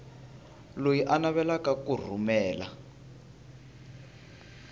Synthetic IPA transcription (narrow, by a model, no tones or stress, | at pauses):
lojiʔanaβɛlakakur̤umɛːla